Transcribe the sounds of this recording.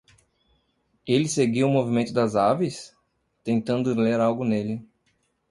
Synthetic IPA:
elɪseɡiwʊmovimẽnt̪ʊd̪ɐzavis | t̪ẽnt̪ɐ̃nd̪ʊleɾawɡʊnelɪ

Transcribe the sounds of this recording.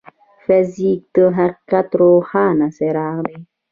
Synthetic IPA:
fɛzik̚təɦakatɾohanasɛɾanɛ

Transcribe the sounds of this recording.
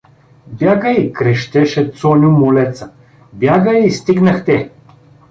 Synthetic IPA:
bjaɡəikɾɛʃt̪ɛʃɛt̪sɔnʲumʊlɛt̪sə | bjaɡəist̪iɡnəxt̪ɛ

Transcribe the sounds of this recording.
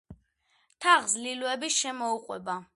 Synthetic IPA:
t̪ʰaʁzliluɛbiʃɛmɔuqʼwɛ̰ba

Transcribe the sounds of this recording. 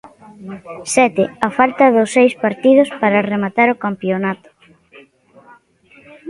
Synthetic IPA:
sɛt̪ɪafalt̪ɐðʊsːejspaɾt̪ið̞ʊspaɾaremat̪aɾokampjonat̪ʊ̥

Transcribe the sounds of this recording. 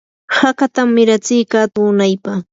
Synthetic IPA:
hakat̪amːɪɾat͡sɪjkat̪uːnajpa

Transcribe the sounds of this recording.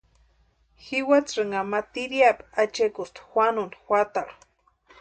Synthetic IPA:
xiwat͡sʐɨŋamat̪iɾiapat͡ʃekust̪xʷanunxʷat̪alu̥

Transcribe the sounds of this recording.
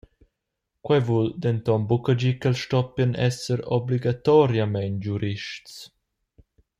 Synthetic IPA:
kwɛvuld̪ɛnt̪ɔmbukəd͡ʒikəlʃtɔpjənʔɛ̰səɾɔ̰bliɡat̪ɔɾjamɛnd͡ʒuɾiʃts

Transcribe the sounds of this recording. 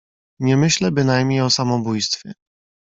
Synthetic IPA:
ɲɛmɘɕlɛbɘnajmɲejɔsamɔbujst̪fʲjɛ

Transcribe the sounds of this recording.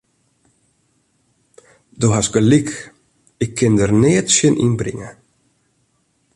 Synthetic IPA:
doɦasɡəlik | ɪkʰːɪndərneːətsjənʔḭnbrɪ̰ŋə

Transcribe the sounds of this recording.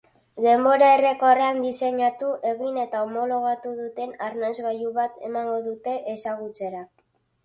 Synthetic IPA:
d̪e̞mbo̞ɾae̞re̞ko̞reand̪ise̞ɲat̪uʔe̞ɣine̞t̪aomo̞lo̞ɣ̞at̪uðut̪e̞narnazɣajuβat̪e̞̰maŋɡo̞ðut̪e̞ʔesaɣut͡se̞ɾa

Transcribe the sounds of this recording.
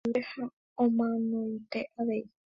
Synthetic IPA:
eha | õmãnõit̪e̞ʔaʋe̞i

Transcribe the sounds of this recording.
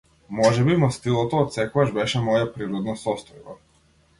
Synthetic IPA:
moʒɛbimɔst̪ilˠɔt̪oːt̪sɛkuaʒbɛʃɛmojapɾiɾɔd̪nasɔst̪ɔjba

